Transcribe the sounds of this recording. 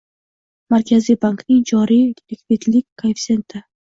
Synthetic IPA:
maɾkʲʰazibanknɪŋd͡ʒɒɾijlɪkvit̪lɪkʲkʰafsent̪ʰa

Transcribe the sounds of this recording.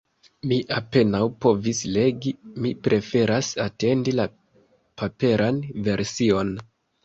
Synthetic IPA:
miʔape̞nawpo̞visle̞ɡimipɾʔe̞fe̞ɾasate̞ndila | pʰape̞ɾʔanve̞ɾsio̞n

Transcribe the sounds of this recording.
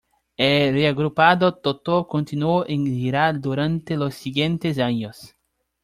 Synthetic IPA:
ereaɣɾupaðot̪ot̪okõnt̪inuoʔẽŋʎiɾald̪uɾãnt̪elosːiɡjẽnt̪esaɲos

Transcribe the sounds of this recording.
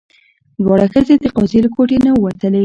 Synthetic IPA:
d̪wɑɽaxəzed̪əqɔzeləkoʈenawat̪əle

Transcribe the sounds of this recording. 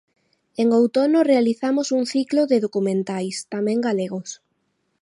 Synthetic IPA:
eŋowt̪onorealiθamʊsuŋθikloðɪðokumẽnt̪ajst̪amẽŋɡaleɣʊs

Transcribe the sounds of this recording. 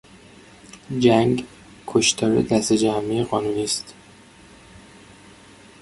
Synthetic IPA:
d͡ʒæŋɡ | kʰoʃt̪ʰɒːɾḛd̪æst̪ed͡ʒæmieɣɒːnuːniːst̪

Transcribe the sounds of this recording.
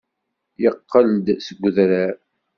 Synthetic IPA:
jəqːəld̪səɡʷðɾæɾ

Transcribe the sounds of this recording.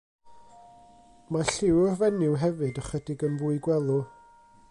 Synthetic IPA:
maɬɪwəvɛnɪwɦɛvɨdəχədɪɡənvʊːɨɡwɛlˠu

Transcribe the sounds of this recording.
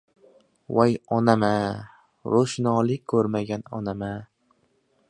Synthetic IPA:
wajɒnama | ɾoʃnɒːlˠɪkʲkʰɵɾmaɡʲanɒ̰nama

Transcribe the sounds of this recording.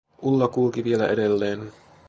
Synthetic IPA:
ʔulːɑkulkiʋielæʔedelːeːn

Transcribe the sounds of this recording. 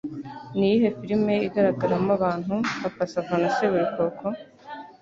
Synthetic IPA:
niːɦefiɾimːeːid̪ɐɾɐkːɐɾɐmːɐʋaːnɦuŋɐpːɐsɐbɐnɐseʋiɾikoːkoŋ

